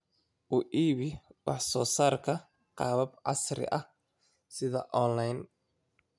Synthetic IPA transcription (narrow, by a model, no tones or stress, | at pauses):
ʔuʔiːβɪwɑħsɔːsaːrkʰɐ | qɑːβɐbʕɑ̰srɪ̰ʔɐ | sɪðɐ̰ʔɔnlɐjn